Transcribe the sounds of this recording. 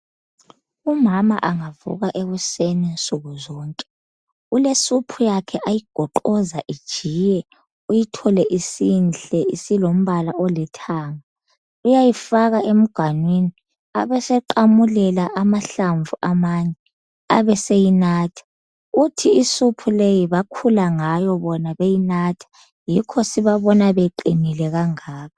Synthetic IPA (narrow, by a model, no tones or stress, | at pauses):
umama̰ʔaŋavṵɣaʔeɣusenent͡sʼuɣuzɔːŋkʼɛ | ulesupʰujakʰɛʔajiɡ̥ʱɔǃɔzaʔid̥ʒ̥ʱiːjɛ | ujitʰɔlɛʔisinɬɛisilom̩βalaʔɔlɛtʰaːŋa | ujajifaɣaʔem̩ɡ̥ʱanwini | aβɛsɛǃamulɛlaʔamaɬaɱvuʔamaːɲɛ | aβɛsejinaːtʰḁ | ɣutʰiisupʰulejiβakʰulaŋajɔβɔnaβejinatʰḁ | jikʰɔsiβaβɔnaβeǃinilɛɣaŋaːβʰa